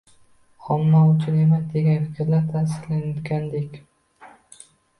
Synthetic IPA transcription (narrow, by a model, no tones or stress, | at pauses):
χɒmːaʊt͡ʃʰʊne̞masd̪e̞ɡʲanfɪkʲʰɾlaɾt̪ʰasɪɾlanat̪ɡʲand̪ekʲ